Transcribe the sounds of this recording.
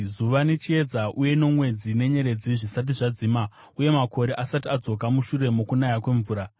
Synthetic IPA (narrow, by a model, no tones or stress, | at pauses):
zuʋane̞t͡ʃie̞d͡zaʔuje̞no̞mwe̞d͡zine̞ɲe̞ɾe̞d͡ziʐisat̬iʐad͡ziːma | uje̞mako̞ɾe̞ʔasatiad͡zo̞k̬amuʃure̞mokunajakwe̞ɱvuːɾa